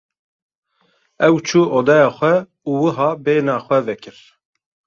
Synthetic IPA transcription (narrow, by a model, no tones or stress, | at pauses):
ɛwt͡ʃʰuːʔoːd̪ɑjɑːxʷɛ | uːwɨɦɑːbeːnɑːxʷɛvɛkʰɨɾ